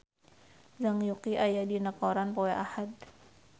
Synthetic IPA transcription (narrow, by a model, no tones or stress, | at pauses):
zaŋjukiʔajadinəkoɾanpoɛʔahad̪̚